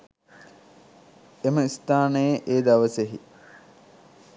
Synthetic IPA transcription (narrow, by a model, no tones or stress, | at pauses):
eməist̪aːnəjeʔeːd̪aʋəseɦḭ